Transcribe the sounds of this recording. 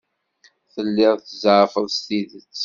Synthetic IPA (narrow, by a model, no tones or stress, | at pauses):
θəlːɪʁθəzɾfəðˤst̪iðət͡sː